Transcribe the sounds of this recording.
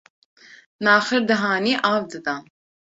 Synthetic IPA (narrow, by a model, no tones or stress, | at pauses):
nɑːχəɾd̪ɨɦɑːniːʔɑːvd̪ɨd̪a